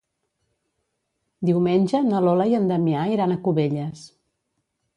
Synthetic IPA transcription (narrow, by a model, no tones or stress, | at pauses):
d̪iwmenʲʒənəlɔləjənd̪əmiaiɾanəkuβeʎəs